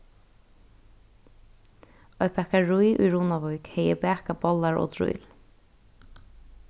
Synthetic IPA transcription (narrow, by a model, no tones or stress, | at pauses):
ɔjpʰɛhkaɹujʔṵjɹuːnaʋɔjkhɛjəbæːkabɔlaɹʔɔ̰ːt̪ʰɾʊ̰jl